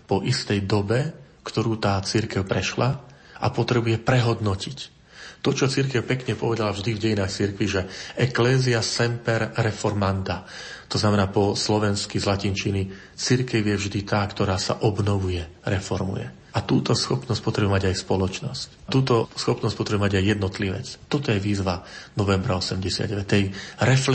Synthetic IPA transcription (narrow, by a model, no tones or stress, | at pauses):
pɔʔist̪ɛjd̪ɔbɛ | kt̪ɔɾuːt̪aːt͡siɾkɛʊpɾɛʃla | ʔa̰pɔt̪ɾɛbujɛpɾɛɦɔd̪nɔcic | t̪ɔt͡ʃɔt͡siɾkɛʊpɛkɲɛpɔʋɛd̪alavʒd̪ivɟɛjinaːxt͡siɾkʋiʒɛʔɛklɛːziasɛmpɛɾːɛfɔɾmand̪a | t̪ɔznamɛnaːpɔslɔʋɛnskizlacint͡ʃini | t͡siɾkɛwjɛvʒd̪it̪aːkt̪ɔɾaːsa̰ʔɔbnɔʋujɛɾɛfɔɾmṵjɛ̰ | at̪uːt̪ɔsxɔpnɔsc̚pɔt̪ɾɛbɛmaɟajspɔlɔt͡ʃnɔsc | t̪uːt̪ɔsxɔpnɔsc̚pɔt̪ɾɛbuɛmaɟajːɛd̪nɔt̪liʋɛ̰t͡st̪ɔt̪ɔjɛʋiːzʋanɔʋɛmbɾaɔsɛmɟɛsɪa̰d̪ɟɛʋɛt̪ɛjɾɛf